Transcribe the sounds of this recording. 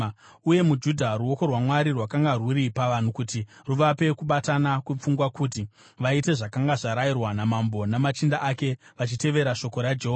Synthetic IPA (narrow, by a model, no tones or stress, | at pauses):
uje̞mud͡ʒudʱaɾuo̞ko̞rwamwaɾirwakaŋɡarwuɾipaʋan̤ukutiruʋape̞kuɓatanakwup͡fuŋɡwakuːti | ʋaite̞ʐakaŋɡaʐaɾairwanamambo̞namat͡ʃindaʔake̞ʋat͡ʃite̞ʋe̞ɾaʃo̞ko̞ɾad͡ʒeɦoa